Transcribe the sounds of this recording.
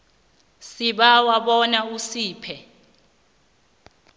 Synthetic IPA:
siɓawaɓɔnausiːpʰɛ

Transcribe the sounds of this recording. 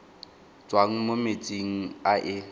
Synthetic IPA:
t͡sʼwaŋ̩momet͡sʼiŋ̩aʔɪ

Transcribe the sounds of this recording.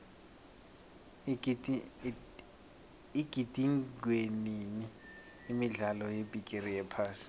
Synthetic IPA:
iɡ̥ʱid̥ʱiŋɡʱweniniː | miɮalɔjebʱikʼerijɛpʰaːsi̥

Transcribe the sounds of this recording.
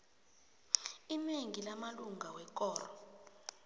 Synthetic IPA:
imiŋɡʱilamaluŋɡʱawɛk̬ʼɔːrɔ̰

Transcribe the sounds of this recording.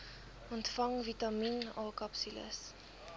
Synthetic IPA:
ɔntfɐŋvitɐminɑːkɐpsilə̰s

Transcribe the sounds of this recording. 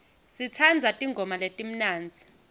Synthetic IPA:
sit͡sʰand͡zʱatʼiŋɡʱɔmaletʼim̩naːnd͡zʱi

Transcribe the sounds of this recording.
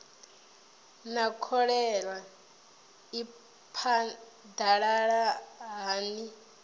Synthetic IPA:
nakʰɔɺɛɺwa | i | pʰa | daɺaɺaɦaːni

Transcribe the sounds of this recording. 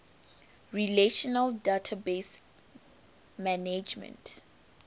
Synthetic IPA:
ɹileʃɔnaldatʰabes | maned͡ʒmɛ̰̃nt

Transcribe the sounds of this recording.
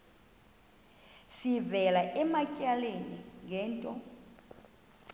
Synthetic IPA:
sivɛlaʔɛmacʼaleniŋɛːntʼɔ

